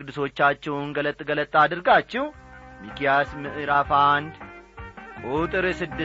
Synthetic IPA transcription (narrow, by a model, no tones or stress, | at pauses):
kʼɨd̪ːɨso̞t͡ʃːat͡ʃːɛwnɡələt̪ʼːɡələt̪ʼːad̪ɨɾɡat͡ʃːɪwmikijasmɨʔɾafand̪ | kʼut̪ʼɨɾsɨd̪ːɨ